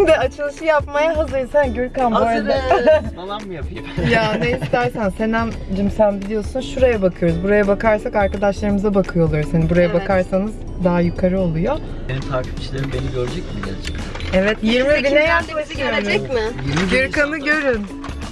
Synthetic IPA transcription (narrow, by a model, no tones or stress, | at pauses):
md̪ɛat͡ʃʰɯlˠɯʃɯjapmajaɦazɯɾsænɟyɾkanbaɾ | alˠanmɯjapʰɯjɯmjaːneist̪æɾsænsenæm | d͡ʒɯmsænbilʲijo̞sunʃuɾajabakʰɯjo̞ɾuzbuɾajabakaɾsakaɾkad̪aʃlˠaɾɯmɯzabakʰɯjo̞ːlˠaɾuzhanibuɾajabakʰaɾsanɯz̥ | d̪aɦajykʰaɾɯo̞lˠujo | enit̪ʰaɾkʰi̥bi̥t͡ʃlʲeɾimbeniɟøɾd͡ʒɛcmidḛlt͡ʃʰɯ̥k | ɛvɛt̪jiɾmibinɛjapmasɯɟøɾd͡ʒɛcmɪjiiɟyɾkʰanɯɟø̞ɾyn